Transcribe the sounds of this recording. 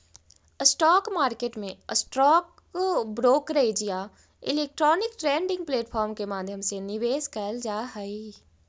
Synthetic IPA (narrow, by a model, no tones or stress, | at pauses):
sʈɔːkmaːɾkeːʈmẽəsʈɾɔːk | bɾoːkɾeːd͡ʒija | ɪleːk̚ʈɾɔːnɪkʈɾẽːɳɖɪ̃ŋɡ̚pleːʈpʰɔːɾmkemaːd̪ʱjəmsenɪʋeːzkɛld͡ʒaːɦəi